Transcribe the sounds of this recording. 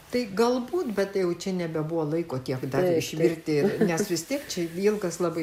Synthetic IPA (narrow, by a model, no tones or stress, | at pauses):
t̪ɐɪɡɐlˠbuːt̪bʲɛt̪jɛʊt͡ʃʲɛnʲɛbʲɛbʊʋoːlˠɐɪkoːt̪ʲiɛkd̪ɐɪʃʲʋʲɪrʲt̪ʲɪnʲɛsʋʲɪst̪ʲiɛkt͡ʃʲɛilˠɡɐslˠɑːbɐɪ